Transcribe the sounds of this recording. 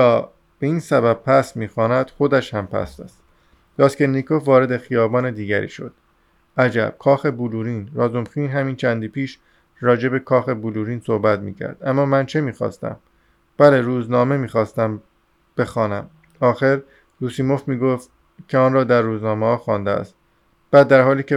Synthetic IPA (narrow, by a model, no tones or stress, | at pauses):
ɒː | b̥e̞iːnsæbæb̚pʰæsmiːxɒːnæd̪̥xo̞d̪æʃhæmpʰæ̰sæ̰st̪ | d̪̥ɒːskenːikʰovɒːɾe̞d̪e̞xijɒːbɒːne̞d̪iːɟæɾḭːʃo̞̰d̪̥ | ʔæd͡ʒæ̰b̥̚kʰɒːxe̞buluːɾiːnɾɒːzomxiːnɦæmiːnt͡ʃʰænd̪iːpʰiːʃ | ɾɒːd͡ʒe̞be̞kʰɒːxe̞buluːɾiːnso̞hbæt̪mḭːcʰæ̰ɾd̪æmːɒːmænt͡ʃʰe̞miːxɒ̰ːst̪æ̰m | b̥æle̞ɾuːznɒːme̞miːxɒːst̪æm | b̥e̞xɒːnæm | ɒːxe̞ɾ | ɾuːsiːmo̞fmiːɡoft̪̚ | cʰe̞ɒːnrɒːd̪æɾːuːznɒːmehɒːxɒːnd̪eæ̰st̪̚ | b̥æːd̪ːæɾhɒːliːce